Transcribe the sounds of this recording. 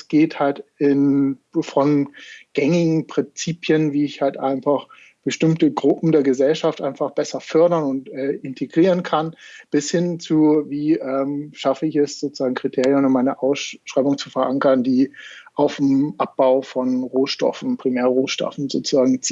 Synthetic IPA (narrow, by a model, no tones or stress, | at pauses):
sɡ̥eːthaltɪnfɔnɡ̥ɛŋɪɡŋ̩pʁ̥ɪnt͡siːpʰjənviːɪçhaltʔa̰ɪnfaχ | b̥əʃtɪmtəɡʁʊpm̩deːɐɡəzɛlʃaftʔa̰ɪnfaχb̥ɛsɐfœɐɾɐnʊntɛːʔɪntʰeɡʁiːʁ̞ənkʰanb̥ɪshɪnt͡suviːʔɛːmʃafəɪçɛsz̥oːt͡suzaːɡŋ̩kʁ̥itʰeːʁjənʊmmaɪnəʔaʊsʃʁ̥aɪbʊŋt͡sufɛɐʔaŋkɐndiːʔaʊfmʔap̚b̥aʊfɔnʁoːʃtɔ̰fn̩pʁ̥imɛːɐʁoːʃtɔ̰fn̩zo̰ːt͡suzaːɡŋ̩t͡siː